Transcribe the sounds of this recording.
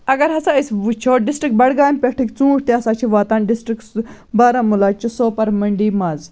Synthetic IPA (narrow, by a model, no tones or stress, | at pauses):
ɐɡɐɾɦɐsaisʋut͡ʃʰoːɖisʈɾik̚bɐɽɡaːnpʲɐʈʰikt͡sũːʈʰt̪iɐsaːt͡ʃʰiʋaːt̪aːnɖisʈɾiks | baːɾamulaːt͡ʃusoːpɐɾmɐɳɖiːmaːz